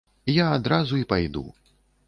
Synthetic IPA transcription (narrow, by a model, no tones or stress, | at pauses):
jaːd̪ɾazuipajd̪ṵ